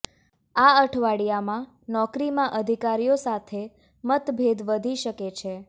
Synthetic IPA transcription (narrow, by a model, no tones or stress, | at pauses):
aəʈʰʋaɽijamã | nɔkɾimãʔəd̪ʱikaɾijosat̪ʰe | mət̪bʱed̪ʋəd̪ʱiʃəket͡ʃʰe